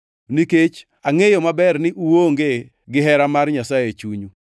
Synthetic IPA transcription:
niket͡ʃ | aŋejɔmabɛrnɪʔuwoŋɡe | ɡɪɦɛɾamarɲasajet͡ʃuɲu

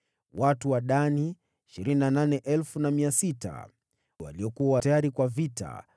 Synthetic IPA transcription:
watuwaɗani | iʃiɾininananɛʔɛlfunamiasita̰ | wa̰liɔkuawatajaɾikwavita̰

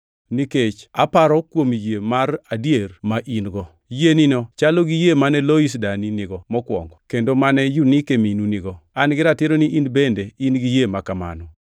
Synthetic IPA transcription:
niket͡ʃa̰paɾɔkwomjemaradjermaʔinɡɔ | jeninɔt͡ʃalɔɡijemanɛlois̬daninɪɡɔmɔkwɔ̰ŋɡɔkendomanɛjunikeminunɪɡɔanɡɪɾatɪeɾoniʔinbendeinɡijemakama̰nɔ

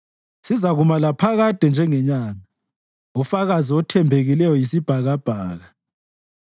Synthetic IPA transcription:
sizaɣumalapʰaɣad̥ʱɛnd͡ʒʱɛŋɛɲaːŋa | ufaɣaziɔtʰɛmbʱeɣilɛjɔjisib̥ʱaɣab̥ʱaːɣa

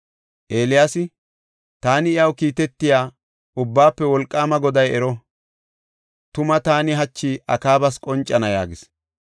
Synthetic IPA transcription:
ʔe̞ːlɪjasɪ | t̪aːnɪɪjɐwkiːt̪ɛt̪ːɪjaː | ʊbːaːpːɛwɔlkʼːaːmɐɡɔd̪ɐjɛɾɔ | t̪ʊmɐt̪aːnɪɦɐt͡ʃːiːʔɐkaːbɐskʼɔnt͡ʃʼːɐnɐja̰ːɡɪs

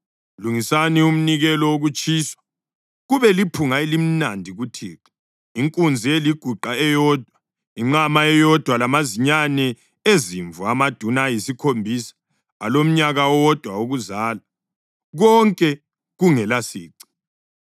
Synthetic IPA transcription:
luŋisanium̩niɣɛlɔoɣut͡ʃʼiːswḁ | ɣuβɛlipʰuŋaelim̩nandʱiɣutʰḭːǁɛ̥ | iŋkʼund͡zʱieliɡ̥ʱuǃaɛjɔːd̥ʱwa | iŋ͡ǁamaɛjɔd̥ʱwalamaziɲanɛ | eziɱvuamad̥ʱunaːjisikʰombʱisḁː | lom̩ɲaɣawɔd̥ʱwauɣuzaːla | ɣɔŋkʼɛ | ɣuŋɛlasḭːǀi̥

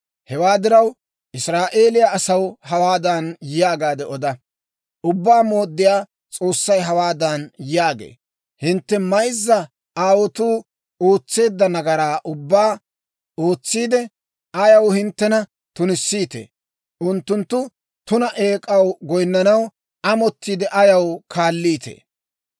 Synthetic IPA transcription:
hɛwaːd̪ɪɾɐw | ʔɪsɾaːʔe̞ːlɪjaːsɐwhɐwaːd̪ɐnjɪjaːɡaːd̪ɛɔd̪ɐ | ʔʊbːaːmo̞ːd̪ːɪjaː | t͡sʼo̞ːsːɐjɦɐwaːd̪ɐnjɪaːɡḛː | hɪnt̪ːɛmɐjzːɐ | aːwɔt̪uː | oːt͡sːe̞ːd̪ːɐnɐɡɐɾaːʔʊbːaː | o̞ːt͡sːiːd̪ɛ | ɐjɐwhɪnt̪ːɛnɐ | t̪ʊnɪsːiːt̪ḛː | ʊnt̪ːʊnt̪ːʊ | t̪ʊnɐʔe̞ːkʼɐwɡɔjnːɐnɐw | ɐmɔt̪ːiːd̪ɛʔɐjɐwkʰaːlːiːt̪ḛː

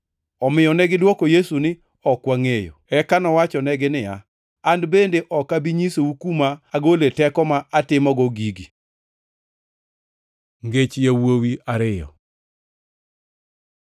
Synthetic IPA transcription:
ɔmɪjɔnɛɡɪdwɔkojesunɪ | ɔkwaŋejo̰ɛkanɔwat͡ʃɔnɛɡɪnɪja | andbendeʔɔkabiɲisoukumaaɡoletɛkɔmaʔatɪmɔɡɔɡiɡi | ŋɡet͡ʃjawowiaɾɪjɔ̰

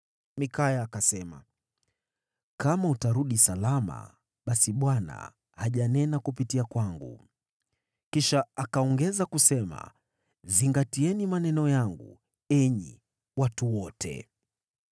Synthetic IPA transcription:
mikajaːkasɛma̰ | kamautaɾuɗisalama̰ | ɓasiɓwana̰ | haʄanɛnakupitiakwaŋɡṵ | kiʃaakaɔŋɡɛzakusɛma̰ | ziŋɡatiɛnimanɛnɔjaŋɡṵ | ɛɲḭ | watuwɔtʰɛ̰

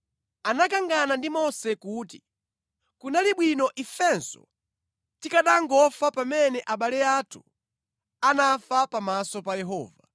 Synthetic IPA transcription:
anakaŋɡanandimɔsɛkuːti | kunaliɓwinɔʔifɛnsɔ̰ | tikaɗaŋɡɔfapamɛnɛʔaɓalɛatʰu̥ | anafapamasɔpajɛɦɔ̰ːva

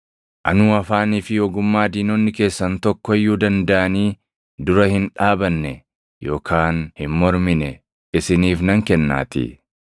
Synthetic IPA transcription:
ʔɐ̰nuːɐfaːniːfɪjɔɡʊmːaːd̪iːnɔnːɪke̞ːsːɐnt̪ɔkːɔɛjːuːd̪ɐnd̪ɐʔɐniː | d̪ʊɾɐhɪnᶑaːbɐnːɛ | jo̞ːkʰaːnhɪnmɔɾmɪnɛ | ɪsɪniːfnɐŋkɛnːa̰ːt̪ɪ̰

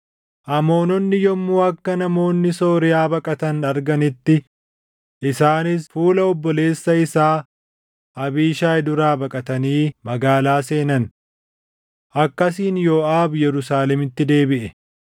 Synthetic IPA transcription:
ʔɐmo̞ːnɔnːɪjɔmːuːɐkːɐnɐmo̞ːnːɪso̞ːɾɪjaːbɐkʼɐt̪ɐnɐɾɡɐnɪt̪ːɪ | ʔɪsaːnɪsfuːlɐɔbːɔle̞ːsːɐɪsaː | ʔɐbiːʃaːɪd̪ʊɾaːbɐkʼɐt̪ɐniːmɐɡaːlaːse̞ːnɐn | ʔɐkːɐs̬iːnjoːaːbjɛɾʊsaːlɛmɪt̪ːɪd̪e̞ːbɪʔɛ

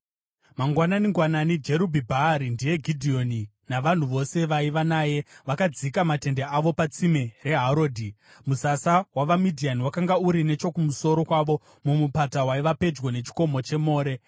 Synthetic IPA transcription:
maŋɡwananiŋɡwananid͡ʒe̞ɾubʱibʱaɾindije̞ɡʱidʱio̞ni | naʋan̤uʋo̞se̞ʋaiʋanaːje̞ʋakad͡zikamate̞ndeaʋo̞pat͡simere̞ɦaɾoːdʱi | musasawaʋamidʱianiwakaŋɡauɾine̞t͡ʃo̞kumuso̞ɾo̞kwaʋo̞ | mumupatawaiʋape̞d͡ʒɡwo̞ne̞t͡ʃi̥ko̞mo̞t͡ʃe̞mo̞ːɾe̞

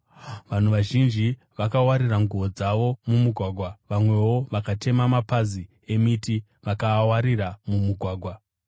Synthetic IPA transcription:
ʋan̤uʋaʒind͡ʒi | ʋakawaɾiraŋɡuʋo̞d͡zaʋo̞mumuɡʱwaːɡʱwaʋamwe̞wo̞ʋakatʰe̞mamapazi | e̞miti | ʋakaːwaɾiɾamumuɡʱwaːɡʱwa

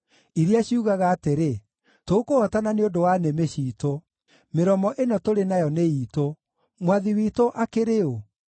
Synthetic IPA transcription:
iɾiaɕiuɣaɣaːteɾe | toukoɔtananeodowanemeɕiːto | meɾɔmɔʔenɔtoɾenajɔneiːto | mwaðiwiːtoʔakeɾeo

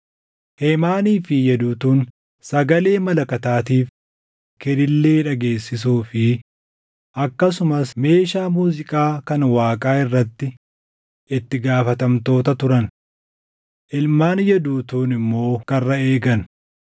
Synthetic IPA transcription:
heːmaːniːfɪjɛd̪uːt̪uːn | sɐɡɐle̞ːmɐlɐkɐt̪aːt̪iːf | kɛɾɪlːeːᶑɐɡe̞ːsːɪsuːfɪ | ʔɐkːɐs̬ʊmɐsme̞ːʃaːmuːzɪkʼaːkɐnwaːkʼaːɪrːɐt̪ːɪ | ɪt̪ːɪɡaːfɐt̪ɐmt̪o̞ːt̪ɐt̪ʊɾɐn | ʔɪlmaːnjɛd̪uːt̪uːnɪmːo̞ːkɐrːɐe̞ːɡɐn

